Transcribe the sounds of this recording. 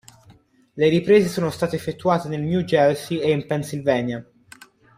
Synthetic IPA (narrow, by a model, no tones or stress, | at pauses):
leɾipɾeːzesoːnost̪aːt̪eːfːet̪ːuaːt̪enelnjud͡ʒɛlsieimpɛnsilvɛːnja